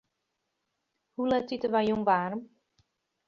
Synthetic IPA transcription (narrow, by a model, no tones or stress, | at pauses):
hulɛtitəʋajjuŋʋaːrəm